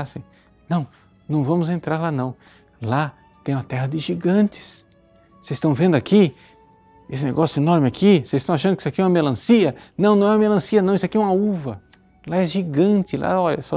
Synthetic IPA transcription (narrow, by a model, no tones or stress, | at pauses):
sĩ | nɐ̃w̃ | nɐ̃w̃vɐ̃mʊzẽnt̪ɾaɾlanɐ̃w̃ | la | t̪ẽj̃ũɐt̪ɛɦɐd̪ɪʒiɡɐ̃nt̪ɪ̥s | sezsst̪ɐ̃w̃vẽnd̪ʊaki | esɪnḛɡɔsjʊenɔɾmɪakʰisezɪ̥st̪ɐ̃w̃aʃɐ̃nd̪ʊkisakiɛũɐmelɐ̃siɐnɐ̃w̃nɐ̃ɛũɐmelɐ̃siɐnɐ̃w̃isʊakiɛũɐuvɐ | laɛʒiɡɐ̃nt̪ɪlʔa̰ɔʎɐsɔ